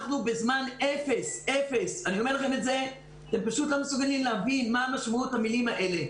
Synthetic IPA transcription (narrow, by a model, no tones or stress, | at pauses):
χnubezmane̞fe̞sefe̞saniomelaχe̞me̞tze̞ | t̪e̞mpaʃutlo̞mesuɡalimleavinmaːmaʃmautamilimaʔe̞le̞